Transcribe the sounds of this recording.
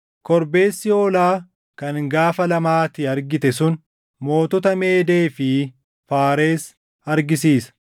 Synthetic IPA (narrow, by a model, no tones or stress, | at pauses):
kɔɾbe̞ːsːɪoːlaː | kɐŋɡaːfɐlɐmaːt̪ɪɐɾɡɪt̪ɛsʊn | mo̞ːt̪ɔt̪ɐme̞ːd̪e̞ːfɪ | faːɾe̞ːs | ɐɾɡɪsiːsɐ̥